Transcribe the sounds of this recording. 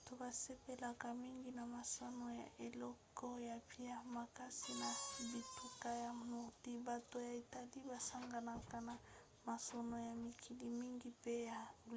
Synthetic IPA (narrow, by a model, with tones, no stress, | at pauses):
to˨ba˨se˦pe˨la˨ka˨mi˦ŋɡi˦na˨ma˨so˦no˦ja̰˨ʔe˨lɔ˦ko˦ja˨pi˦a˦ma˨ka˦si˦na˨bi˨tu˦ka˦ja˨nɔ˨ʁdi˦ba˨to˦ja˨i˨ta˦li˦ba˨sa˦ŋɡa˨na˨ka˦na˨ | ma˨so˦no˦ja˨mi˨kʰi˨li˦mi˦ŋɡi˦pe˦ja˨